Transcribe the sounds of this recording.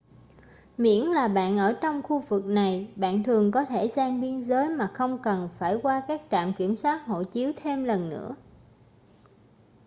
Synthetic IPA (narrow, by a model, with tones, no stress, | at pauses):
mḭ˧˥ənlaː˨˩ɓa̰ː˧˨nʔəː˧˩t͡ɕɔ˧wŋ͡mxu˧vɨ˨˩k̚na˨˩jɓa̰ː˧˨nt̪ʰɨ˨˩əŋkɔ˨˦t̪ʰe˧˩zaː˧ŋɓi˧ənzəː˨˦jmaː˨˩xə˧wŋ͡mkə˨˩nfaː˧˩jkwaː˧kaː˦˥k̚t͡ɕa̰ː˧˨mki˧˩əmswaː˦˥t̚ho̰˧˨t͡ɕi˨˦əwt̪ʰe˧mlə˨˩nːɨ̰˧˥ə